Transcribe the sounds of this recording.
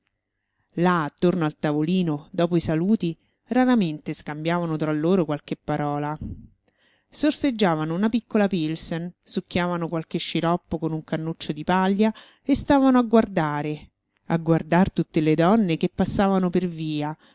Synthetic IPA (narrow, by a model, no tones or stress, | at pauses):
laːt̪ːornoalt̪avoliːnod̪ɔːpoisaluːt̪i | raɾament̪eskambjaːvanot̪ɾalːoːɾokwalkepːaɾɔːla | sorsed͡ʒːaːvanounapikːolapilsensukːjaːvanokwalkeʃːiɾɔpːokonuŋkanːut͡ʃːod̪ipaʎːja | est̪aːvanoaɡward̪aːɾe | aɡward̪art̪ut̪ːeled̪ɔnːekepːasːaːvanoperviːa